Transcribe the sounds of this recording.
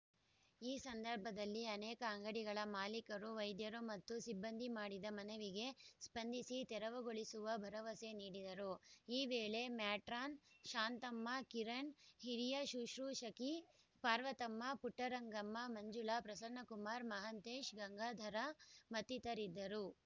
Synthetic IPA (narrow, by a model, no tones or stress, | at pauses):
iːsɐnd̪ɐɾbʱɐd̪ɐlːiɐnɛːkɐːŋɡɐɽiɡɐɭɐmaːlikɐɾuʋɐjd̪jɐɾumɐt̪ːusibːɐnd̪ʱimaːɽid̪ɐmɐnɐʋiɡe̞spɐnd̪ʱisit̪ɛɾɐʋɐɡoɭisuʋɐbʱɐɾɐʋɐse̞niːɽid̪ɐɾuiːʋeːɭe̞mjaːʈɾaːnʃaːnt̪ɐmːɐkiɾɐɳɦiɾijɐʃuʃɾuːʃɐki | paːɾʋɐt̪ɐmːɐpuʈːɐɾɐŋɡɐmːɐmɐɲd͡ʒuɭaːpɾɐsɐnɐkumaːɾmɐɦɐnt̪eːʃɡɐŋɡaːd̪ʱɐɾɐmɐt̪ːit̪ɐɾid̪ːɐɾu